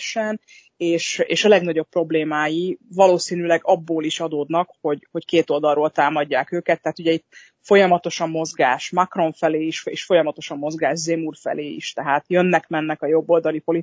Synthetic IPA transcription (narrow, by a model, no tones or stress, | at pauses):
ʃɛn | eːʃḛːʃɒlɛɡnɒɟo̞pːro̞bleːmaːjivɒloːsiːnylɛɡɒbːoːliʃɒd̪oːd̪nɒkho̞ɟho̞ckeːt̪o̞ld̪ɒlroːlt̪aːmɒɟːaːkøːkɛt̪ːɛɦaːt̪uɟɛit̪ː | fo̞jɒmɒt̪o̞ʃɒmːo̞zɡaːʃmakro̞ɱfɛleːiʃḛːʃfo̞jɒmɒt̪oʃɒmːo̞zɡaːʒzemurfɛ̰leːḭʃt̪ɛɦaːt̪jønːɛkmɛnːɛkɒjo̞bːo̞ld̪ɒlipo̞li